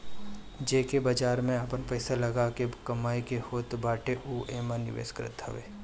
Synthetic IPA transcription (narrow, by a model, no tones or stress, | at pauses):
d͡ʒeːkebaːd͡ʒaːɾmẽapənpəːsalɐɡakekɐmaːikehoːt̪baːʈeʔuːeːmãnɪ̰ʋḛːskɾɪ̰t̪ɐ̰ʋḛː